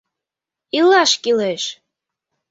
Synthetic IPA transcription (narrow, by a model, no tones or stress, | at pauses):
ilɑʃkileʃ